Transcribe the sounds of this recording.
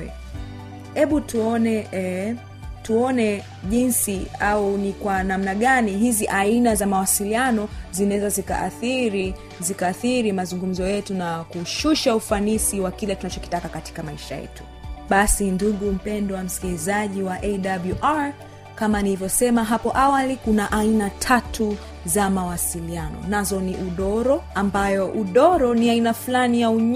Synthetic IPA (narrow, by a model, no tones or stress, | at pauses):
hɛɓutuɔnɛɛ | tuɔnɛ | ʄinsiaunikwanamnaɠaniɦiziʔainazamawasilianɔzinawɛzazika̰ʔa̰θiɾi | zikaθiɾimazuŋɡum̩zɔjɛtunakuʃuʃaufanisiwakilɛtunat͡ʃɔki̥takakati̥kamaiʃa̰jɛ̰tu̥ | ɓasinduɠum̩pɛndɔwam̩skilizaʄiwaʔɛɗabluʔaɹ | kamanilivjɔsɛmaɦapɔʔawalikunaʔainatʰatu | zamawasilianɔ̰nazɔniʔuɗɔɾɔambajɔʔuɗɔɾɔniainaflanijauɲ